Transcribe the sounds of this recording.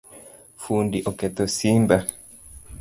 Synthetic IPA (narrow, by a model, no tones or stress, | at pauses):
fundiʔoket̪osimba